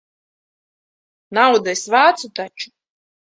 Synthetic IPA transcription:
nawd̪asʲvaːt̪sut̪at͡ʃu̥

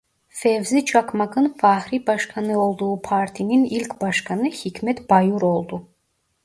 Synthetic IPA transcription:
fevzit͡ʃʰakmakɯnfahɾibaʃkʰanɯo̞lˠd̪uːpʰaɾt̪ʰininilʲkʲbaʃkʰanɯhikʰʲmɛt̪b̥ajuɾo̞lˠd̪u

